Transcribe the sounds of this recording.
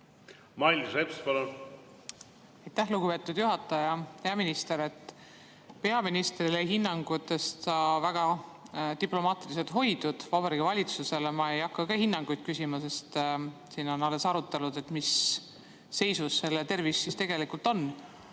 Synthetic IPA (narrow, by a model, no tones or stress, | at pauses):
mɑijlsepspɑlun | ɑjt̪ːæhluɡ̥upe̞t̪ːˑud̪̥juɦɑt̪ːˑɑjɑhe̞ɑminist̪e̞ɾe̞t̪ˑː | pe̞ɑminist̪rileɦinːɑŋɡ̥ut̪ːˑe̞st̪ɑvæɡ̥ɑt̪iplo̞mɑːt̪ilis̬e̞lt̪ɦo̞jd̪̥ud̪̥vɑbɑɾiɡ̥ivɑlʲit̪suse̞lemɑe̞jɑkːɑkɑhinːɑŋɡ̥ujt̪̚kysimɑse̞st̪ | siːno̞nɑle̞sɑɾut̪ːˑelud̪̥e̞t̪misː | e̞jsusːe̞lːet̪e̞rvisːist̪e̞ɡ̥e̞likult̪o̞n